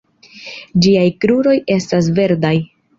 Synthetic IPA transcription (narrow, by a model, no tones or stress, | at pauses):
d͡ʒiajkɾuɾo̞je̞stas̬ve̞ɾdaj